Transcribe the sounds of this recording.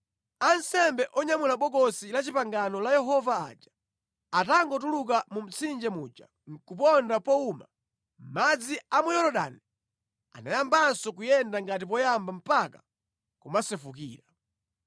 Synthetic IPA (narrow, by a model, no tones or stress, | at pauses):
ansɛmbɛʔɔɲamulaɓɔɡɔsilat͡ʃipaŋɡanɔlajɛɦɔvaa̰ːd͡ʒḁ | ataŋɡɔtuluk̬amum̩t͡sʰind͡ʒɛmuːd͡ʒa̰ | ŋ̩kup̬ɔndapɔuma̰ | m̩mad͡ziamujɔɾɔɗa̰ni | a̰najambansɔkujɛndaŋɡat̬ip̬ɔjambam̩paka | kumasɛfuk̬ḭːɾa